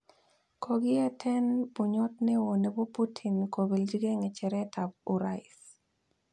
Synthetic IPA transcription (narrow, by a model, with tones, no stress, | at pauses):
kʰoɡɪ˦ɛ˦tʰɛ˦npu˨ɲɔ˦tne˦wo˨ne˨bo˦pu˦tʰi˨nko˨be˨ld͡ʒi˦ɡɛ˦ŋɛ˨t͡ʃɛ˨ɾɛtʰa˨buɾaɪs